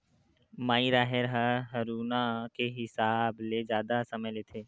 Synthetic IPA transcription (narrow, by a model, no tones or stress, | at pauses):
maːiɾaːɦeɾɦəɦɐɾuːnakeɦɪsaːbled͡ʒjaːd̪asɐməjleːt̪ʰeː